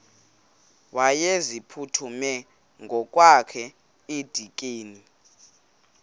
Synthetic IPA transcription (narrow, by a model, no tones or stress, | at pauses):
wajezipʰutʰumɛ | ŋɡʱɔk̬ʼwakʰɛ | ed̥ʱik̬ʼeːni